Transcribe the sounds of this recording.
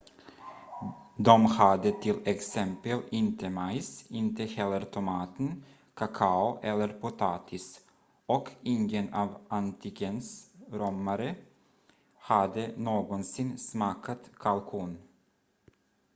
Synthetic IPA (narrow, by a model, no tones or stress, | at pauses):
d̪ɔmhad̪ət̪ʰɪlɛksɛmpəlɪnt̪ʰəmaɪsɪnt̪əhɛlːəɾt̪ʰʊmɑːt̪ən | kʰakʰaʊʔɛlːəɾpʰʊt̪ʰɑːt̪ʰɪs | ɔkʰɪŋɡənɑːvʔant̪ʰɪɡənsɾɔmːaɾə | had̪ənoːɡɔnsɪnsmɑːkʰat̪kʰalkʰuːn